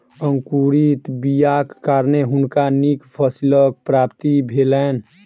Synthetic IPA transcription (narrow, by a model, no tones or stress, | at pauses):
əŋkuɾit̪bijakːaːɾneɦʊnkanikpʰəsilək̚pɾaːpt̪ibʱeːlɛːn